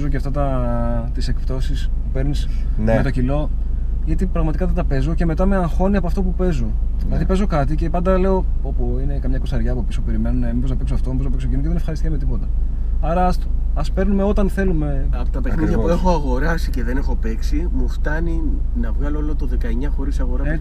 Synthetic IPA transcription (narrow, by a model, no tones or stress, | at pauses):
zoceɐft̪ɐt̪ɐ | t̪ise̞k̚pt̪o̞sispupe̞ɾnisnmet̪o̞cilo̞ | ʝɐt̪ipɾɐɣmɐt̪ikɐðet̪ɐpe̞zo̞ce̞me̞t̪ɐmeɐxo̞niɐpoɐft̪o̞pupe̞zo̞ɐðipe̞zo̞kɐt̪ice̞pɐnd̪ɐle̞o̞opuine̞kɐmɲɐkosɐɾʝɐːpopisope̞ɾime̞nunemibo̞znɐpeksoɐft̪omibozðɐpeksocinoceðenefxɐɾist̪ikɐmet̪ipo̞t̪ɐ | ɐɾɐsɐspe̞ɾnume̞o̞t̪ɐnθe̞lume̞ɐpot̪ɐpexniðʝɐpuexo̞ɐɣo̞ɾɐsiceðene̞xo̞peksimuft̪ɐninɐvɣɐloolot̪oðekɐeɲɐxo̞ɾisɐɣo̞ɾɐ